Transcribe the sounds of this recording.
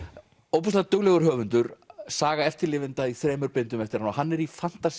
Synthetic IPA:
owpɔst̪at̪œɣlɛɣʏɾ̥ɦœːvʏnt̪ʏɾsaːɣaɛft̪ɪɾlɪːvɪnt̪aiθɾɛːmʏɾpɪnt̪ʏmɛft̪ɪɾanɔɦanːɛɾifan̥t̪as

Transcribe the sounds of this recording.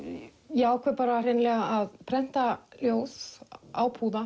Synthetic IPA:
jaɔhkʰvɛɾpɑːɾarenlɛɣaaðpʰɾɛn̥t̪aljowsa̰wpʰuːða

